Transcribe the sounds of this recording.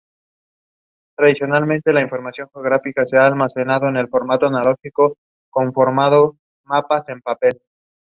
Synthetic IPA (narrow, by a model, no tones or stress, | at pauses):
t̪ɾaðisjonalmẽnt̪e̞laiɱfo̞ɾmasjo̞ŋxeoɣ̞ɾafikaseaːlmase̞naðo̞ene̞lfo̞ɾmat̪o̞analo̞xiko | ko̞ɱfo̞ɾmað̞o̞ | mapase̞mpape̞l